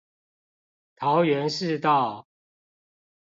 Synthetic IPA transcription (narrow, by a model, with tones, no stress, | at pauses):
t̪ʰɑ˨˦ʊɥɛ˨˦nʂɻ̩˥˧t̪ɑ˥˨ʊ